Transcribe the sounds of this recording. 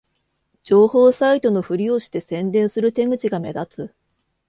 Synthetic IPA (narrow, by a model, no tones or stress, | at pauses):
d͡ʑo̞ːho̞ːsait̪o̞no̞ɸɯ̟ɾʲioːɕi̥t̪e̞sẽ̞nd̪ẽ̞ɰ̃sɨɾɯ̟t̪ẽ̞ŋɡɯ̟t͡ɕiɡame̞̰d̪at͡sɨ